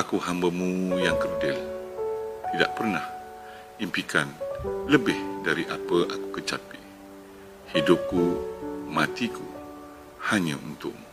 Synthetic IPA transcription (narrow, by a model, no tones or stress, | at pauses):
akuhambəmujaŋkərdɪl | t̪ida̰ʔpərnah | impikanləbɪhdaɾiʔapəʔakukət͡ʃapi | hidʊp̚kumat̪iku | haɲə̰unt̪ʊ̰ʔ